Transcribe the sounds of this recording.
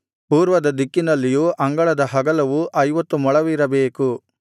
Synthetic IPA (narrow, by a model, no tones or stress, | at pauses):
puːɾʋɐd̪ɐd̪ikːinɐlːijuːʔɐŋɡɐɭɐd̪ɐɦɐɡɐlɐʋuʔɐjʋɐt̪ːumɔɭɐʋiɾɐbeːku